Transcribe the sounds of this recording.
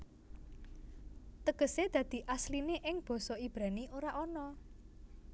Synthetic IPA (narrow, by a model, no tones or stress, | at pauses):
t̪əɡ̥ə̤sed̪̥ä̤d̪̥i̤ʔaslineʔɪŋb̥ɔ̤sɔib̥ɾa̤niʔoɾaʔɔnɔ